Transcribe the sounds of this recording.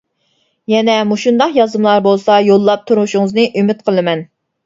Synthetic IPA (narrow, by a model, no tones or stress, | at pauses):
jɛnɛmuʃund̪ɑqjɑzɨmlˠɑɾbolˠsɑjolˠːɑp̚t̪ʰuɾmuʃuŋɨznɨʔymɪt̪qʰəlˠɨmɛn